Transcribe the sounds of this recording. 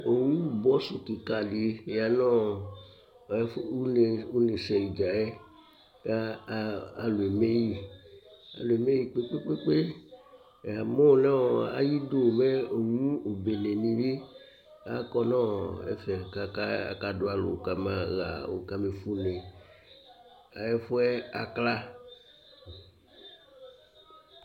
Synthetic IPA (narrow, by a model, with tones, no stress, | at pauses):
o˨wũ˦u˦˨bɔ˦so˨ki˨ka˨li˨˦˨ja˨nã˦˨˦ | ne˨u˦ne˨sɛ˨i˨d͡ʒa˨ɛ˦ | kaː˦˧ | lo˨e˨me˦ji˦˨ | a̰˨lo˨e˨me˦ji˦˨k͡pe˦k͡pe˦k͡pe˦k͡pe˦˨ | a˨mɔ̃˦˨nã˦˨a̰˦ji˦do˦˨mɛ˦o˨wũ˦o˨be˨nẽ˨nĩ˨vi˦ | a˦kɔ˦nã˦ḛ˦fɛ˨ka˨ka˦a̰˨ka˦do˦a˦lo̰˨ka˦mã˦ɣa̰˨wo̰˨ka˦me˨fu˦nẽ˨ | a˨e˦fo˦ɛ˦a˨kla˦